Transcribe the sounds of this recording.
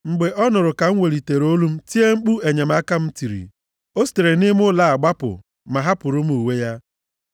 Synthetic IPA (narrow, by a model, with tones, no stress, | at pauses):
ŋ͡m̩˨ɡ͡be˨ʔɔ˦nʊ˨ɾʊ˨ka˨ŋ̩˦ŋʷe˨ɾi˨te˨ɾo˦lu˦m̩˦ti˦e˦ŋ͡m̩˦k͡pu˦e˨ɲe˨m̩a˦ka˦m̩˦ti˨ɾḭ˨ | o˦si̥˦˨te˨ɾe˨nɪ˦m˦ʊ˦la˨a˨ɡ͡ba˦pʊ̰˨ | ma˨ɦa˦pʊ˨ɾʊ˦m̩˦u˨we˦ja˦